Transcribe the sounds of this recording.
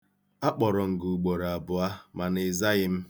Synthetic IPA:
a˦k͡pɔ˨ɾɔ˨ŋ̩˨ɡu˨u˨ɡ͡bo˨ɾa˨bʊ˨a˦ma˨nɪ˨za˦ɣɪ˦m̩˦

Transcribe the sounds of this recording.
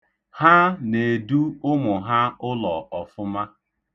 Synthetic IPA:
ha˦ne˨du˦ʊ˦mʊ˨ɦa˦ʊ˦lɔ˨ɔ˨fʊ˦ma˦

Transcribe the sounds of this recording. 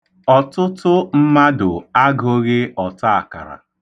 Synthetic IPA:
ɔ˨tʊ˦tʊ˦m̩˦ma˦dʊ˨a˦ɡo˦ɣɪ˦ɔ˨ta˦a˨ka̰˨ɾa̰˨

